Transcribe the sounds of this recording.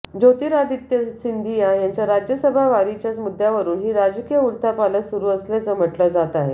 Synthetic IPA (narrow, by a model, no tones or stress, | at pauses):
d͡zot̪iːɾad̪it̪jəsind̪ijajaɲt͡ɕjaɾad͡ʑjəsəbʱaʋaɾit͡ɕjat͡smud̪ʱːjaʋəɾuːnɦiːɾad͡ʑkijəult̪ʰapaləsuɾuːəslat͡səm̤əʈləd͡zat̪aɦe